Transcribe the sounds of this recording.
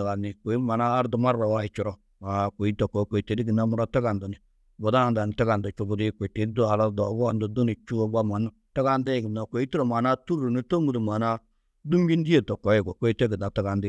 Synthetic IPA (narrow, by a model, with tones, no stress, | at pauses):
ɡa˨ni˨ko˨i˦ma˨naː˦ɾdu˨ma˦ɾːa˨wa˦i˨t͡ʃu˨ɾo˦˨ | a˨kʷo˨i˦to˨ko˨˦kʷo˨i˨te˨di˦ɡi˨na˦mu˨ɾa˦ta˦ɡa˨ndu˨ni˨ | bo˨da˦na˨nda˨n˨ta˦ɡa˨nda˨t͡ʃu˦bu˦di˦kʷe˨i˨te˨˦du˦a˨la˦do˨˦ɡɔ˦˨ndu˨du˦ni˨t͡ʃu˦o˦ɡ͡ba˦ma˨na˦ta˦ɡa˦ndi˦˨ɡi˨nːa˨ko˨˦i˦ti˦ɾo˨ma˨na˦tu˦ɾu˨ni˦to˦ŋɡu˨du˨ma˨na˦ | du˦mɡi˦n˦di˦e˦˨to˨kːo˨˦e˦˨ɡo˨kʷo˦i˦te˦ɡi˨da˨ta˦ɡa˨ndi˦˨